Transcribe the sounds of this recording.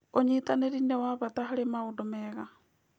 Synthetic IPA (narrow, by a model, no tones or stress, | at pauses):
oɲitaneɾinɛwaβataɦaɾemaodomɛɣa